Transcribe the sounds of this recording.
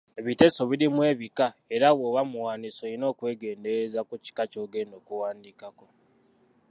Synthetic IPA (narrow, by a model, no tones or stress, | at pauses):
eβite̞so̞βiɾimwe̞ːβikae̞ɾawowamuwaːniso̞ino̞ːkwe̞ːɡe̞ːnde̞ɾezakuci̥kaco̞ɡeno̞kuwaːndikako̞